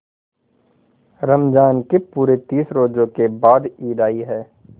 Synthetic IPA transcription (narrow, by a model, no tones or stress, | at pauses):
ɾəmd͡ʒaːnkipuːɾet̪iːsɾoːd͡ʒõkebaːd̪iːd̪aːiɦɛː